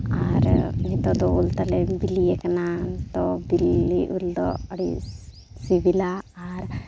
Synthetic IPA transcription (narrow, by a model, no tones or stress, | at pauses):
aɾmit̪od̪oult̪alebilijekɐnat̪obilːiʔuld̪o̰ɐɽḭ | sibilaːɾ